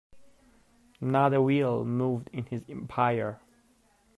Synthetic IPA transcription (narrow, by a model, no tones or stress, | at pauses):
naðəwilˠmuvdɪ̃nɪzɛ̃mpʰaɪə˞